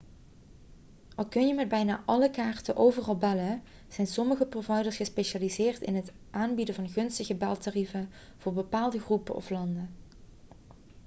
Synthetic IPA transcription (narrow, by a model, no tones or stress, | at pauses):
ʔɑlˠkɵnjəmɛd̚bɛjna̰ːʔɑləkaːrtəʔowvərɑlˠbɛlə | z̥ɛjnsɔməɣəprovɑjdəɹsχəspejʃaːlizɪːrtɪ̰nɦət | ʔaːnbidəvɑnχɵnstəɣəbɛlˠtarivə | v̥ʊːɹbəpaːlˠdəχrupəʔɔ̰flɑndə